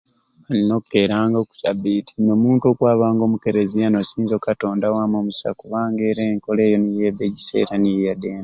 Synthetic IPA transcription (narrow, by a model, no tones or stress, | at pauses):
alino̞ke̞ːɾaːŋɡoku̥sabitʰi̥no̞ːmuːntuo̞kwaːβaːŋɡo̞ːmuke̞ɾezijano̞siːnzokato̞ːndawaːmoːmusa̰kuβaːŋɡe̞ːɾeːŋko̞le̞ːjo̞nijeːbe̞ɟise̞̰ːɾanijadeːna